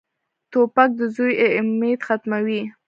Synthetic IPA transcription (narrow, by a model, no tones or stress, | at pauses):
t̪opak̚d̪əzujmet̪xat̪mawi